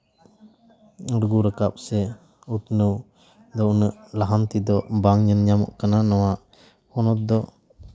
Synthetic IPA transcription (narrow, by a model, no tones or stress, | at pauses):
ɾɡuɾəkap̚sɛ | ut̪nəw | d̪ɔunəʔlaɦant̪id̪ɔbaŋɲənɲamɔ̰ʔkananɔwaʔ | hɔnɔt̪̚d̪ɔ